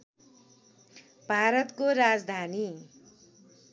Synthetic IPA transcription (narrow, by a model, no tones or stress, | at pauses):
bʱaɾʌt̪koɾad͡zd̪ʱani